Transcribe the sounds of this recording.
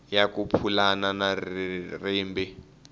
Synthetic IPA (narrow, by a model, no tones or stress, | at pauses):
jakupʰulananariːmbi